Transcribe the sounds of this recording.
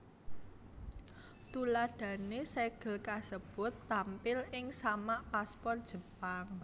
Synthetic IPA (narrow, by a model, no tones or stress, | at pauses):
t̪ulaɖ̥ä̤neseɡ̥ə̤lkasəb̥ʊ̤t̪ːampɪlʔɪŋsamaʔpaspɔr̚d̥ʒ̥ə̤paŋ